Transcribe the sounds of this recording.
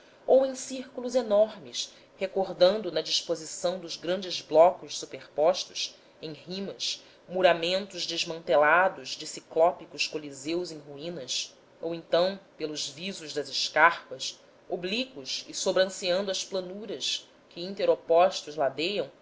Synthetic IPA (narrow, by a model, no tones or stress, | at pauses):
owẽj̃siɾkuluzenɔɾmɪs | hekoɾd̪ɐ̃nd̪ʊnɐd͡ʒiʃpozisɐ̃w̃d̪ʊzɡɾɐ̃nd͡ʒɪzblɔkʊʃsupeχpɔʃt̪ʊ̥s | ẽj̃hĩmɐs | muɾamẽnt̪ʊzd͡ʒɪzmɐ̃nt̪elad̪ʊzd͡ʒɪsiklɔpikʊskolizewzẽj̃ɦuĩnɐs | owẽnt̪ɐ̃w̃pelʊzvizʊʒd̪ɐzɪʃkaχpɐs | oblikʊʃɪsobɾɐ̃siɐ̃nd̪ʊɐsplɐnuɾɐs | kɪĩnt̪eɾopɔʃt̪ʊzlad̪ejɐ̃w̃